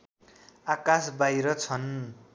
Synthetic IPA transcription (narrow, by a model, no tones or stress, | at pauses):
akasbajɾʌt͡sʰʌn